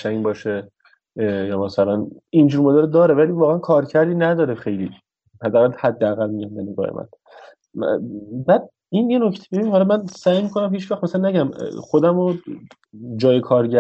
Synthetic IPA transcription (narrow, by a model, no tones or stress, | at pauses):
ʃæŋbɒːʃe | jɒːmæsælænind͡ʒuːɾmoːd̪eɾd̪ɒːɾevæliːvɒːɣeænkʰɒːɾcʰæɾd̪iːnæd̪ɒːɾexe̞jli | hæd̪ːæɣælhæd̪ːeæɣælmiɟæmd̪æneɡɒ̰ːhḛmæ̰n | bæd̪̥̚ | injenocʰt̪ʰe̥be̞binimhɒlɒmænsæːjmikʰo̞næmhiːt͡ʃvæxt̪mæsælænæɟæmχod̪æmo | d͡ʒɒːjekʰɒːɾɟæ